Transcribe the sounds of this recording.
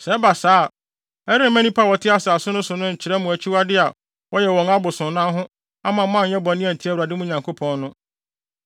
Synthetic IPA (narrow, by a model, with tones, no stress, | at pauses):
sɛ˦ba˨saː˦˨ | ɛ˦ɾɪ̃˦mæ̃˦nĩ˦pʰa˦wɔ˨tʰɪ˦a˦sa˨a˨sʊ˦nʊ̃˦sʊ˨nʊ̃˦ɲ̩˨t͡ɕʰɪ˨ɾɛ˦mʊ̃˨æ˨t͡ɕʰi˦wa˦dɪ˦a˨ | wɔ˦jɛ˨wɔ̃˨ŋa˦bʊ˨sʊ̃˨nã˦ɦʊ̃˦ | a˦mã˨mːã˦ɲ̩˨ɲɛ̃˦bɔ̃˨nɪ̃˦ɛ̃˨n̩˨tʰɪ˦æ˦wu˨a˨dɪ˦mʊ̃˦˨ɲã˨ŋkʰo˦pʰɔ̃˦˨nːʊ̃˦